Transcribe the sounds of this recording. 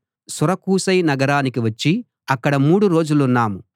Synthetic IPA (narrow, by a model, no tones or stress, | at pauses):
suɾɐkuːsɐjnɐɡɐɾaːnikiʋɐt͡ʃːi | ɐkːɐɽɐmuːɽuɾo̞ːd͡ʒulunːaːmu